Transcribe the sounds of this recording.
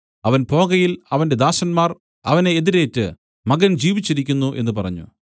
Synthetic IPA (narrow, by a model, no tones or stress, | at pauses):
ɐʋɐnpo̞ːɡɐjilɐʋɐnde̞d̪aːɕɐnmaːr | ɐ̰ʋɐneːðiɾe̞ːtːɨ | mɐɡɐnd͡ʑiːʋit͡ɕːiɾikʲːunːuʔe̞nːɨpɐrɐ̰ɲːṵ